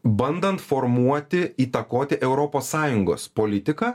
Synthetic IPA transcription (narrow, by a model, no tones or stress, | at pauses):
bɐnd̪ɐnt̪foɾmuɔt̪ʲɪiːt̪ɐkoːt̪ʲɪʔɛʊɾopoːsːɑːjʊŋɡo̰ːspolʲɪt̪ʲɪkɑː